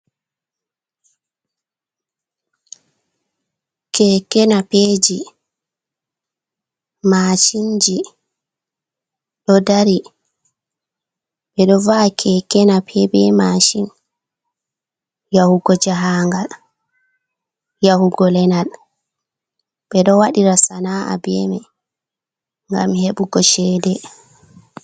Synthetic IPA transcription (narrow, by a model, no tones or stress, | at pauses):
kʰɛkɛnapeːd͡ʒi | maːt͡ʃind͡ʒi | ɗɔdaɾi | ɓɛɗɔvakʰɛkɛnapʰɛbɛmaʃin | jahuɡɔd͡ʒaɦaŋɡal | jahuɡɔlɛnal | ɓɛɗɔwaɗiɾasanaa̰bɛmɛ | ŋɡa̰mheɓuɡɔʃɛːdɛ